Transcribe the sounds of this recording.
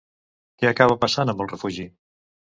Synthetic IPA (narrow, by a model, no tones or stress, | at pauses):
kɛakaβəpəsanəmbəlˠrəfuʒi